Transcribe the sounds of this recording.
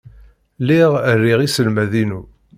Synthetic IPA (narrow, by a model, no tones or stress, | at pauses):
liʁərːiʁisəlmæðinu